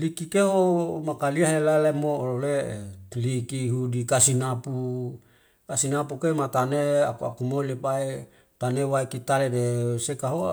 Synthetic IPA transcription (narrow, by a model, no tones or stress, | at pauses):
likikeomakaliaɦelalemoololelikiɦudikasinapu | kasinapukemat̪aneakua̰kumolipae | t̪anewaekit̪aledesekaɦo